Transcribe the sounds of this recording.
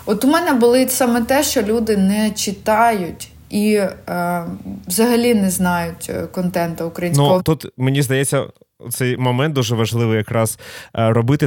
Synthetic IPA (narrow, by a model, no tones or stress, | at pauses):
ɔt̪ʊmɛnɛbʊlˠɪsɑmɛt̪ɛʃt͡ʃɔlʲud̪ɪnɛt͡ʃɪt̪ɑjʊtʲ | i | ʋzɐɦɐlʲinɛznɑjʊtʲkɔnt̪ɛnt̪ɐʊkɾɐjinnʲsukɔɦɔt̪ut̪menʲizd̪ɐjɛt͡sʲːɐ | ɔ̰t̪sɛjmɔmɛnt̪̚d̪uʒɛʋɐʒlˠɪʋɨjɐkɾɑz̥ɾɔbɪt̪ɪ